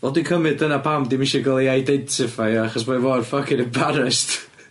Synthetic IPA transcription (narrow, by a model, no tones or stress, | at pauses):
ɔlˠdikʰəmɨddənapʰamdimɪʃɛɡalˠiajdɛntʰɪfajaχɔsbɔvɔrfəkʰɪnəbaɾɛst